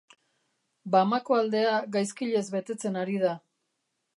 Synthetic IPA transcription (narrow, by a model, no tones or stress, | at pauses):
bamako̞ald̪e̞aɣajskiʎe̞zβe̞t̪e̞t͡se̞naɾiða